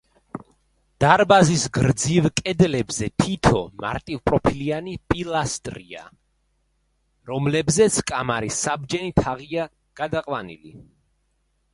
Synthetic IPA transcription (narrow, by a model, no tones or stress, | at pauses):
d̪̥aɾbazisɡɾd̪zivkʼɛd̪lɛbzɛt̪ʰit̪ʰɔma̰ɾt̪ʼivpʼɾɔpʰilianipʼilˠast̪ʼɾia̰ | ɾɔmlɛbzɛt̪sʰkʼamaɾisab̚d͡ʒɛnit̪ʰaʁia | ɡ̥ad̪aqʼwanḭlḭ